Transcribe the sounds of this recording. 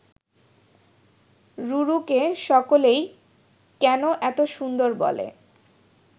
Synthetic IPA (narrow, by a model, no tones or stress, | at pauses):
ɾuɾukeʃɔkolej | kɛnoʔɛt̪oʃund̪oɾbɔ̰lḛ